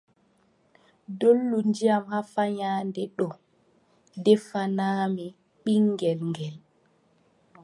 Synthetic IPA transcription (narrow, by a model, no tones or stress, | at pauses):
dolːund͡ʒijamhafaɲaːndɛɗɔ | dɛfanaːmi | ɓiŋːɡɛlŋɡɛl